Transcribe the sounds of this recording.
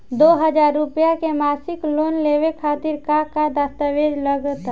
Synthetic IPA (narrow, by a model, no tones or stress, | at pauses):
d̪oːɦəd͡ʒaːɾːʊpjakemaːsɪkloːnleːwekʰaːt̪ɪɾkakad̪ast̪aʋeːd͡ʒləɡt̪